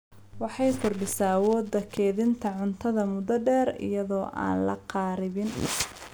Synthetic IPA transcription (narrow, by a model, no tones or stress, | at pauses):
wɑħɑjkʰʊrɖɪsawɔːd̪ːɐkʰɛːðɪnt̪ʰɐʕʊnt̪ʰɐðɐmʊd̪ɐɖɛːɾɪ̰jɐðɔːʔa̰ːnlɐ̰qɑːɾɪβɪn